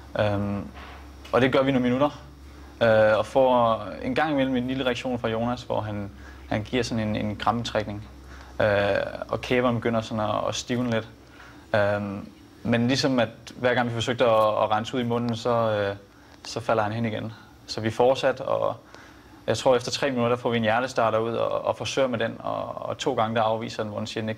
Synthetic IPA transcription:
ʔøm | ɒ̽d̥e̝ɡ̥ɶɐʋinonminuɾ̥ɐ | øɒ̽fɒ̰e̝nɡ̥ɑ̈ŋ̰imel̰m̩e̝nliləʁaɐɡ̥ɕo̝̰ːnfʁɑ̈jo̝ːnæsʋɒ̰ɦæn | hænɡ̥iɐ̰sɒ̽ne̝ne̝nɡ̥ʁɑ̈mət͡sʰʁeɡ̥ne̝ŋ | øɒ̽kʰeːʋɐnb̥e̝ɡ̥øn̰ɐsɒ̽nɒːsd̥iːʊnled̥ | ø | menlisɒ̽mæd̥ʋæɐ̰ɡ̥ɑ̈ŋʋifɒ̽s̬øɡ̥̚d̥əɒːʁɑnsəuð̰ˠimɔ̽n̰n̩sɒ̽ø | sɒ̽fæl̰ɐɦhænɦeniɡ̥en | sɒ̽ʋifɒːd̥sæd̥ɒ̰ | jɑ̈ɪt͡sʰʁo̝ɐ̰efd̥ɐt͡sʰʁɛ̰ːminud̥ɐd̥æfɒ̰ːʋie̝njæɐɾ̥əsd̥ɑ̈ːɾ̥ɐuð̞̰ˠɒ̰ːfɒsø̰ɪ̰ɐmed̥enɒ̰t͡sʰo̝̰ːɡ̥ɑ̈ŋəd̥ɑ̈ɑ̈ʊʋḭːsɐd̥enʋɒd̥ensiɐd̥ene̝ɡ̥

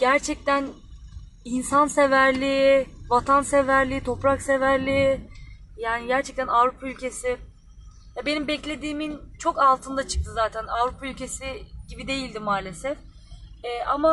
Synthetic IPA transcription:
ɟ̥æɾt͡ʃʰɛc̚t̪ʰæn | insanse̞væɾlʲivat̪ʰanse̞væɾlʲiːt̪ʰo̞pɾakse̞væɾlʲi | jaːniɟæɾt͡ʃʰɛk̚t̪ænavɾupʰaylʲcʰe̞sɪ | vɛbe̞nimbɛclʲe̞d̪iːmint͡ʃʰo̞kalˠt̪ʰɯnd̪at͡ʃʰɯ̥k̚t̪ʰɯzaːt̪ʰænavɾupʰaylʲcʰe̞siɟ̥ibid̪e̞jilʲd̪imaːlʲe̞sɛf | ɛːʔama

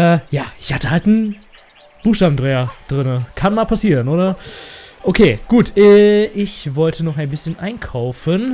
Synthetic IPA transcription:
ʔɛːjaːʔɪçhatəhaltn̩ | b̥uːxʃtaːbmn̩dʁɛːɐd̥ʁɪnəkʰanmaːlpʰasiːʁənʔoːɾɐ | ʔokʰeːɡ̥uːtʰʔɛːʔɪçvɔltʰənɔχaɪnbɪsçənʔa̰ɪnkʰaʊfən

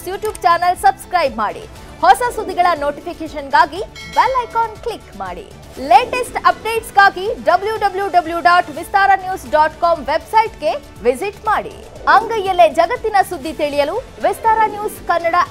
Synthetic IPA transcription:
juːʈjuːbt͡ʃaːnɐlsɐbskɾɐjbmaːɽḭ | hɔsɐsud̪ʱːiɡɐɭɐnoːʈipikeːʃɐnɡaːɡibɛlɐjkoːnklikma̰ːɽḭ | leːʈesʈɐp̚ɖeːʈsɡaːɡiɖɐbljuɖɐbljuɖɐbljuɖaːʈʋist̪aːɾɐnjuːsɖaːʈkɔːmʋebsɐjʈɡe̞ | ʋiziʈmaːɽḭ | ɐŋɡɐjjɐlːed͡ʒɐɡɐt̪ːinɐsud̪ːit̪iɭijɐlu | ʋist̪aːɾanjuːskɐnːɐɽɐ

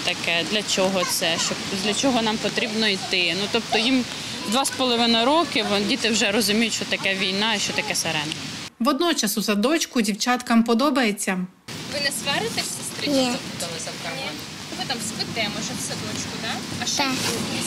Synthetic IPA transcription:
t̪ɐkɛd̪lʲɐt͡ʃɔɦɔt̪sɛʃt͡ʃɔ | d̪ʲlʲɐt͡ʃɔɦɔnɑmpɔt̪ɾʲibnɔit̪ɪnut̪ɔpt̪ɔjim | d̪ʋɑspɔlˠɔʋɪnɐjɾɔkɪʋdʲit̪ɪwʒɛɾɔzʊmʲijʊtʲʃt͡ʃɔt̪ɐkɛʋʲijnɑiʃt͡ʃɔt̪ɐkɛseɾɛnʋɔd̪nɔt͡ʃɐsʊsɐd̪ɔt͡ʃkʊdʲiwt͡ʃɑt̪kɐmpɔd̪ɔbɐjet͡sʲːɐ | ʋɪnɛsʋɛɾɪt̪ɛsʲɪst̪ɾɪt͡ʃjʲɛɐbud̪ɐlˠɪzɐwkɐɐn | ʋɪt̪ɑmspɪt̪ɛmɔʒɛsɐd̪ɔt͡ʃkʊd̪ɑɐʃt͡ʃɛ

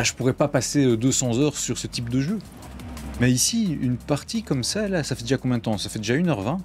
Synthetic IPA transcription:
aʒəpuʁɛpapaseød̪øsɑ̃zœʁsyʁsət̪ip̚d̪əʒø | mɛisiynpaʁt̪ikɔmsalasafɛd̪eʒakɔ̃mjɛ̃d̪ət̪ɑ̃safɛd̪eʒaynœʁvɛ̃

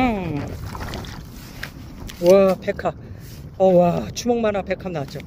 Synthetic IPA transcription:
wapekʰa | ʌwat͡ɕʰumoŋmanapekʰamnad͡ʑo

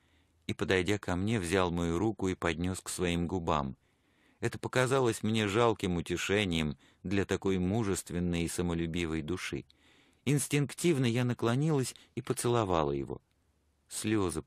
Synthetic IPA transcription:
ipəd̪ɐjdʲakɐmnʲe̞vzʲalˠmɐjuɾukʊipɐd̪ʲnʲo̞sksvɐimɡʊba̰m | ɛt̪əpəkɐzalˠəsʲmnʲe̞ʐalˠkʲɪmʊtʲɪʂɛnʲɪjəm | d̪lʲɐt̪ɐko̞jmuʐɨst̪vʲɪnːəjisəməlʲʉbʲivəjd̪ʊʂɨ̰ | ɪnsʲtʲɪnktʲivnəjanəklˠɐnʲilˠəsʲipət̪sɨlˠɐvɑlˠəjɪ̰vo̞̰ | sʲlʲozə

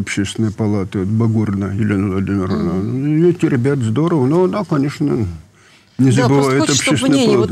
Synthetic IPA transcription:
ɐpɕːest̪ʲɪnəjəpɐlˠat̪əot̪bɐɡornəjɪlʲenəvlˠɐdʲimʲɪɾəvnanʲɛtʲɪɾʲɪbʲat̪zd̪oɾəvənoɐnakɐnʲe̞ʂnə | nʲɪzəbɨvajʊt̪ɐpɕːesʲɪnəjəɐlˠat̪

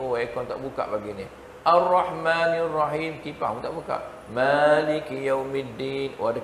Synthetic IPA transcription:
uwaekɔnt̪aʔbuka̰ʔbaɡini | ʔarːɑħmanrːɑɦiːmt̪ipa̰hmut̪aʔbuka̰ʔ | malikjawmid̪iːnwʔada

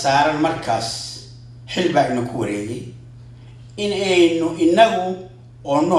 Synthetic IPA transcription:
saːɾɐnmɐrkʰaːs | ħɪlbaːɡnɐkʰʊwɐɾɛːjɛj | ɪnɛjnʊʔɪnːɐɣʊ | ɔːnɔ

